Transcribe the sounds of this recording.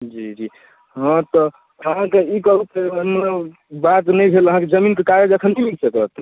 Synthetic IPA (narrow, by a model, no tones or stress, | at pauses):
d͡ʒid͡ʒi | ɦə̃t̪ɔ | əɦãkeikəɦut̪emət̪ləb | bat̪nəjbʱeləɦãked͡ʒəminkekaɾjed͡ʒəkʰənimiksəkət̪